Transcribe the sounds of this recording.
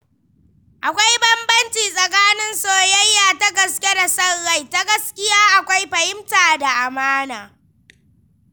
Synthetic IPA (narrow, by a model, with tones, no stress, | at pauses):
ʔa˨kʷa˦jbɐ˦mbɐ˦nt͡ʃiː˨sʼɐ˨kaː˦nɪ˦nsoː˦jɐ˦jːaː˨ta˦ɡɐ˨skʲe˦da˨sɐ˦rːa˦˨jta˦ɡɐ˦skʲɪ˦jaː˦ʔa˨kʷa˦jɸɐ˨hɪ˦mtaː˨da˨ʔa˨maː˦naː˨